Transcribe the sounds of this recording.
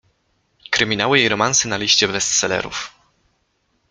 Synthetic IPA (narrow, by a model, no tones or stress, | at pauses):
kɾɘmʲinawɘjejɾɔmansɘnalʲiɕt͡ɕɛvɛst̪sɛlɛ̰ɾṵf